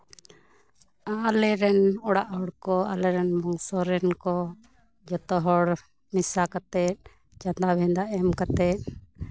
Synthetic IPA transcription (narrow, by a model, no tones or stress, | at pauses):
alɛɾɛnɔɽaʔɦɔɽkɔa̰lɛɾɛnmɔŋsɔɾɛnkɔ | d͡ʒɔt̪ɔɦɔɽ | misakat̪ɛt̪̚ | t͡ʃand̪abʱɛ̃nd̪aʔɛmkat̪ɛt̪̚